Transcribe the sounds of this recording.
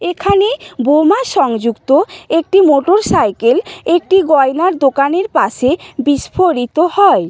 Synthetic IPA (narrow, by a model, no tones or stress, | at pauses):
ekʰanebomaʃɔŋd͡ʑukt̪oek̚ʈimoʈoɾsajkelek̚ʈiɡɔjnaɾd̪okaneɾpaʃebiʃpʰoɾit̪ohɔe